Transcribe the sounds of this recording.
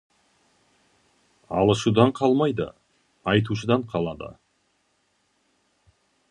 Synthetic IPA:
ɑlˠəʃud̪ɑɴqʰɑlˠmɑjd̪ə̰ | ɑjt̪uʃ̬əd̪ɑɴqʰɑlˠɑd̪ə̰

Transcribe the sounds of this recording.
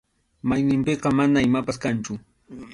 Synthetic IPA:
majnɪmpeqɑmanaɪmapaskant͡ʃʊ

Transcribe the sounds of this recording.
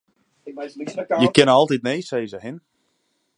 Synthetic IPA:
jəkɪnəɔlˠtitnejsejzəɦɪn

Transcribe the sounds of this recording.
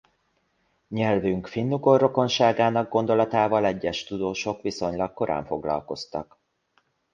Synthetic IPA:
ɲɛlvyŋkfinːuɡorːo̞ko̞nʃaːɡaːnɒɡɡo̞nd̪o̞lɒt̪aːvɒlɛɟːɛʃt̪ud̪oːʃo̞kʋiso̞ɲlɒkkːo̞ɾʔa̰ːɱfo̞ɡlɒ̰lko̞st̪ɒ̰k

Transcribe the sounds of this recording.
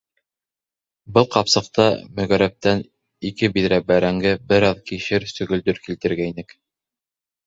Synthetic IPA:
bɤlˠqɑpsɤ̆q̚t̪ɑmɵ̆ɣæɾæp̚t̪æn | ikɘbiðɾæbæɾæŋɡɘbɘɾɑðkiʃɘɾsɵ̆ɡɵ̆ld̪ɵɾkilt̪ɘ̆ɾɡæinɘk

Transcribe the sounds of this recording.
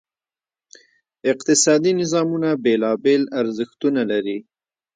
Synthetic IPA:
ɪqt̪ɪsɑd̪inɪzɑmunabelɑbelaɾzɪxt̪unalaɾi

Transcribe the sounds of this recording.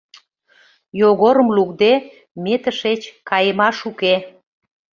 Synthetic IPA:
joɣoɾəmlukd̪e | met̪əʃet͡ɕkɑjəmɑʃuke

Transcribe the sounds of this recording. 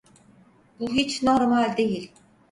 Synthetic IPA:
b̥uɦit͡ʃnoɾmalʲd̪ejilʲ

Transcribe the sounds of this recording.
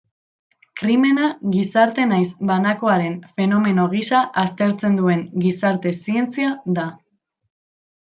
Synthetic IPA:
kɾime̞naɣisaɾt̪e̞najsbanako̞aɾe̞nfe̞no̞me̞no̞ɣ̞isaʔast̪e̞ɾt͡se̞nd̪ue̞ŋɡisaɾt̪e̞sie̞nt͡siaða

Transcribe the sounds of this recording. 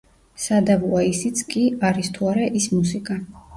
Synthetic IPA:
sad̪avuaisit̪sʰkʼiaɾist̪ʰuaɾaʔismusikʼa

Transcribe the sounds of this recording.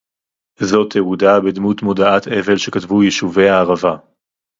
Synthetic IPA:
zo̞teudabedmut̪modaat̪ʰe̞ve̞lʃe̞katvujeʃuve̞jaːʁava

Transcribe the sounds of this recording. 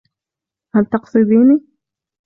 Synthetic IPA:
halt̪ɑqsˤɨd̪iːni

